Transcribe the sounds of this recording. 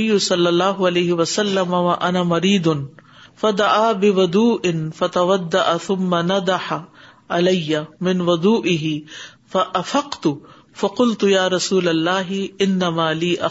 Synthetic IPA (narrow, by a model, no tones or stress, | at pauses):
ɪjːʊsɐlːɐlˤːaːɦʊalejɦɪwɐsɐlːɐmawaʔɐnaːmɐɾiːd̪ʊn | fad̪aʕaːbɪwʊd̪uːʔɪnfɐt̪ɐwad̪ːaʔaθʊmːanad̪aħa | alɐjːamɪnwʊd̪ˤuːʔɪɦɪ | faʔafaqt̪ʊ | fɐqʊlt̪ʊjaːɾˤɑsuːlɐlːaːɦɪʔɪnːamaːliːʔa